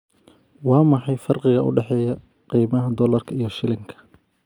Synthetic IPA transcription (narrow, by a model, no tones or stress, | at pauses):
wɑːmɑħɑjfɐrqɪɣɐʔʊ̰ɖɛħɛːjɐ | qiːmɐɦɐd̪ɔlɐrkʰɐijɞʃɪlɪŋkʰɐ̥